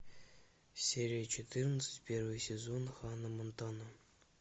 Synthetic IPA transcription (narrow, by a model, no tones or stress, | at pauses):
sʲeɾʲijət͡ɕʰet̪ɨrnət̪sɨ̥tʲpʲervɨjsʲezonχɑnɤ̆mɤ̆nt̪ɑnɤ